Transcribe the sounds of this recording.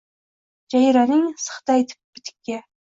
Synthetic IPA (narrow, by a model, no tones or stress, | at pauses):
d͡ʒɑjɾɑnɪŋsə̥χt̪ɑjt̪ʰɪ̥p̚b̥ɪt̪ʰɪ̥kʲːɛ